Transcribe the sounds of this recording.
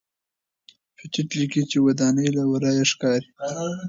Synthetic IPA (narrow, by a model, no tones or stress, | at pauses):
fɪt͡ʃɪʈlikit͡ʃewad̪ɑnəjlawaɾɑjaʂkɑɾi